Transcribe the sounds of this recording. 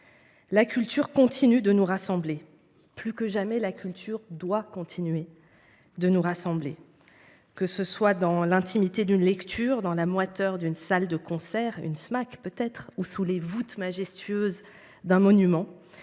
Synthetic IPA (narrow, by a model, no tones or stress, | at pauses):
lakʲʰylt̪ʰyʁkɔ̃t̪ʰinyd̪ənuʁasɑ̃ble | plykəʒamɛlakʲylt̪ʰyʁd̪wakɔ̃t̪ʰinɥe | d̪ənuʁasɑ̃ble | kəsəswad̪ɑ̃lɛ̃t̪ʰimit̪ed̪ynlɛkt̪ʰyːʁd̪ɑ̃lamwat̪œʁd̪ynsald̪əkɔ̃sɛʁy̰nsmakpøt̪ɛt̪χusulevut̪maʒɛst̪ɥøz | d̪ɛ̃mɔnymɑ̃